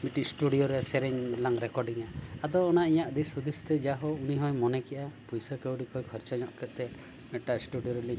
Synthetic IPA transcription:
miʈisʈuɽijoɾeseɾeɲlaŋɾekɔɾɖiŋaːd̪ɔːnaijaʔd̪isud̪ist̪ɛd͡ʒaɦɔuniɦɔjmɔnekiʔapujsɔkewɽikɔikʰɔɾt͡ʃɔɲɔʔkɛʔt̪ɛ | meʈasʈuɖijoɾeliɲ

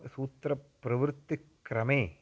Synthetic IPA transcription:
suːt̪ɾɐpːɾɐʋɾt̪ːikɾɐmeː

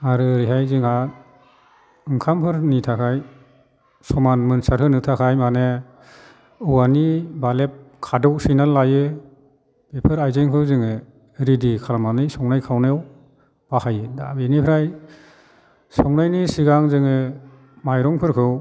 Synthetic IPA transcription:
aɾɯɾiɦajziŋa | ɯŋkʰampʰɯɾnitʰakʰaj | sɔmanmɯnsaɾkʰɯnɯtʰakʰajmane | ɯwanibalep̚kʰadɯwsijnalːajɯ | b̥epʰɯɾajzɯŋkʰɯwzɯŋɯ | ɾidikʰalamanɯjsɔŋnajkʰawnew | b̥ahajɯda̰benipʰɾaj | sɔŋnajnisiɡaŋzɯŋɯ | majɾɔŋpʰɯɾkʰɯw

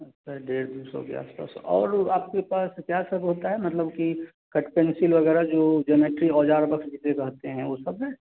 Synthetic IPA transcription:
ɐtːʃʰaɦɖeːɾd̪uːsɔ̰kḛa̰ːspa̰ːsɔ̰ːɾaːp̚kepaːskjaːsɐbɦoːt̪aɦɛmɐt̪ləbki | kɐʈpɛnsɪlʋɐɣɛːɾad͡ʒoːd͡ʒəmeːʈɾiɔːd͡ʒaːɾbɐkʃd͡ʒit̪ekɐɦt̪eɦɛ̃ʋoːsɐbɦɛ

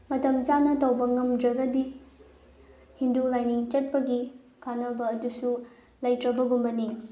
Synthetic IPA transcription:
mɐtɐmt͡ʃanɐtʰɐwbɐŋɐmdɾɐɡɐdi | hindulajniŋt͡ʃɐt̚pɐɡi | kʰanɐbɐːdusu | lɐjtɾɐbɐɡumbɐni

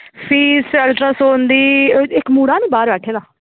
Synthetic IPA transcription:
pʰiːsɛlʈɾaːsoːnd̪iːɪkmuːɽãːnĩːbaːɾʋɛːʈʰeːd̪aː

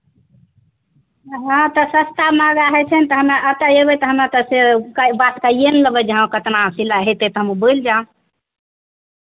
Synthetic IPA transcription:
ɦãt̪ɔsəst̪amaɡaɦɛt͡ʃʰənt̪ɔɦəmaʔət̪əebɛt̪ɔɦəmat̪əsekabat̪kaienləbəd͡ʒeɦãkət̪nasilaɦet̪et̪ɔɦəmubojld͡ʒã

